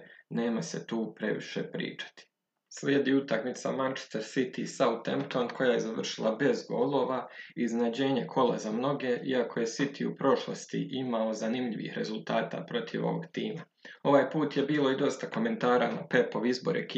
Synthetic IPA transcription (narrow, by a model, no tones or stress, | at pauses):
ne̞ːmase̞̰t̪uːpɾe̞ʋḭʃepɾḭːt͡ʃḁt̪i̥ | slʲjeːd̪iut̪akmit̪sa̰mant͡ʃe̥st̪eɾsit̪isaut̪ḛmpt̪onkʰo̞jaje̞zaʋr̩ʃilˠabe̞zɡo̞̰lˠo̞ːʋaiznad͡ʑe̞ːɲe̞kʰo̞lazamno̞ɡe̞ʔiakʰo̞je̞sit̪ʰiupɾo̞ʃlˠost̪ḭʔimao̞zanimʎiʋḭhɾe̞zulˠt̪aːt̪a̰pɾo̞t̪ʰiʋo̞̰ʋo̞̰ɡt̪iːma | o̞ʋaːjpuːt̪je̞biːlo̞id̪o̞st̪ako̞me̞nt̪aːɾa̰na̰pe̞po̞ʋizbo̞ɾḛkː